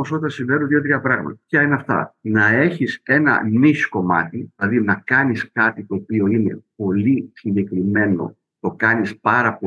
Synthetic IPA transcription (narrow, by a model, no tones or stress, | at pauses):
oso̞t̪t̪ɐsĩɱvenuot̪ðiot̪ɾiɐpɾɐɣmɐ̰t̪ɐpçɐineɐft̪ɐ̰nɐe̞çise̞nɐ̰nisko̞mɐ̰t̪iðilɐðinɐkɐniskɐt̪it̪o̞ːpio̞ine̞̰po̞lisiɲɟe̞kɾime̞no̞̰ | t̪o̞kɐnispɐɾɐpo